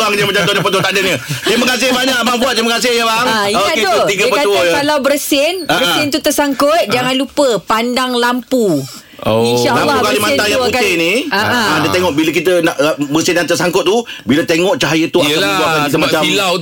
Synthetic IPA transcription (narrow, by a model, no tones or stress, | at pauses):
aŋkd͡ʒəmat͡ʃamt̪onapət̪uət̪aʔdənɲət̪ɾimakas̬ɪhbaɲãʔbaŋbuat̪̚t̪ɾiməkas̬ɪhjəbaŋioakut̪iɡəpət̪ujkalawbəɾsɪnbaəsɪnt̪ut̪ərsaŋkʊt̪̚d͡ʒaŋanlupəpandaŋlampu | oinʃaʔlamːukalimãt̪ajak̪ɪniaʔdət̪eŋɔʔbiləkit̪ənaʔbəsɪnjaŋt̪ərsaŋkʊt̪̚t̪ːubilət̪eŋɔʔt͡ʃaajət̪uaad͡ʒuakanit̪əmat͡ʃamla